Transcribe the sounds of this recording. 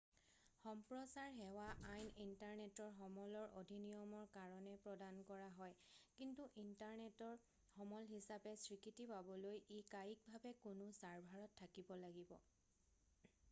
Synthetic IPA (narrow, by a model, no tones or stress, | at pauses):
xɔmpɹɔsaɹɦɛwaʔajnintaɹnetɔɹɦɔmɔlɔɹʔo̰dʱinijɔmɔɹkaɹɔnɛpɹɔdankɔɹaɦɔjkintuʔintaɹnɛtɔɹ | hɔmɔlɦisapɛsɹikitipabɔlojekajik̚bʱabɛkʊnʊsaɹbʱaɹɔtʰːakibɔlaɡibɔ̰